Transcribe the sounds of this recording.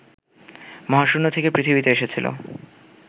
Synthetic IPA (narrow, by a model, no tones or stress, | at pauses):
mɔɦaʃunːot̪ʰekepɾit̪ʰibit̪eeʃet͡ɕʰilo̰